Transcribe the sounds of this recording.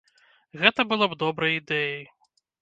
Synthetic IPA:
ɣɛt̪ɐbɨlˠɔbd̪ɔbɾɐjid̪ɛjɐj

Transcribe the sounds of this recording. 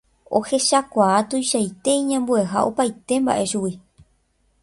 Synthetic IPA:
ohe̞ʃakʷaat̪ujʃajt̪e̞ĩɲãmbue̞ɦa̰ʔo̞pajt̪e̞mba̰ʔe̞ʃuwi

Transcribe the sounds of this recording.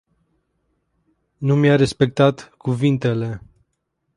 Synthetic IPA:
numjaɾe̞spe̞k̚t̪at̪kuvint̪e̞le̞

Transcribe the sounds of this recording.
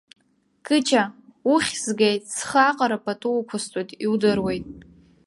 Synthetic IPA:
kʰʼɨt͡ʃʰauχʲzɡejtʼsχaqʼaɾapʰʼatʼukʷʰastʷʼojtʼiwdɨrwejtʼ

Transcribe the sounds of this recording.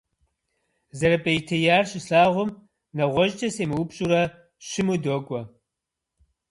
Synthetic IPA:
zɐɾɐpʼɐjtʰɐjaːrɕʼɪɬaːʁʷʊm | nɐʁʷɔʒt͡ʃʼɐseːmɨwupɕʼuɾɐ | ɕɪmudoːkʷʼɔ

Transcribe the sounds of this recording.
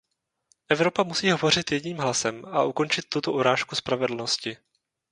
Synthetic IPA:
ʔɛvɾo̞pamusiːɦo̞vo̞r̝ɪt̪jɛɟɲiːmɦlasɛmʔaʔuko̞nt͡ʃɪt̪ːut̪oʔoɾaːʃkuspɾavɛdl̩no̞scɪ

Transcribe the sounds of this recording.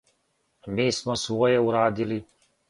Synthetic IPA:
miːsmosʋoːjeuɾaːd̪ili

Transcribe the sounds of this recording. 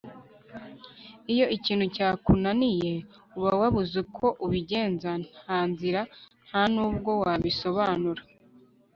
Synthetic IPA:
ijo̞ʔiciːnhucaːkunanije̞ | uβawaβuzukʰo̞ʔuβiɟe̞ːnzanaːnziɾan̥hanuːbɡo̞waβiso̞βaːnuɾa

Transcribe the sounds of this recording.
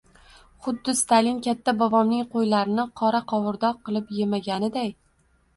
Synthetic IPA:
χʊd̪ːɪst̪ʰalɪnkʲat̪ʰːabɒvɒmnɪŋqʰojlaɾɪnɪqʰɒɾaqʰɒwɨɾd̪ɒqɨlˠɪpjemaɡʲanɪd̪aj

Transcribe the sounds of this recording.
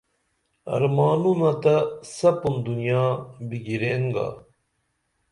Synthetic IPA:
ɐ̰ɾmaːnunɐt̪ɐsɐpund̪unjaːbiɡiɾeŋɡa̰ː

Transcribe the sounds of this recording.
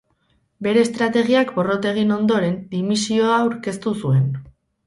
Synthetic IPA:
be̞ɾe̞ːst̪ɾat̪e̞ɣ̞iakbo̞ro̞t̪e̞ɣ̞ino̞nd̪o̞ɾe̞nd̪imisio̞awɾke̞st̪usue̞n

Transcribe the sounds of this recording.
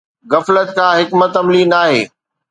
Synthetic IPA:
ɣɐflət̪̚kʰãːɦɪkmɐt̪ɐmliːnaːɦḛː

